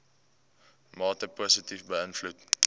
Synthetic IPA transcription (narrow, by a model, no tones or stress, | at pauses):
mɑːtəposətifbəənflut